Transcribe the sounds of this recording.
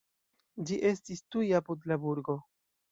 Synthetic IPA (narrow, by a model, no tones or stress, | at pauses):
d͡ʒiʔe̞stistujapudlabuɾɡo̞